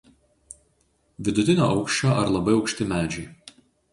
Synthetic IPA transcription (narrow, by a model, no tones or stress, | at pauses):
ʋʲɪd̪ʊt̪ʲɪnʲo̰ːʔɐʊkʃʲt͡ʃʲoːʔɐɾlˠɐbɐɪɒʊkʃʲt̪ʲɪmʲæːd͡ʒʲɛɪ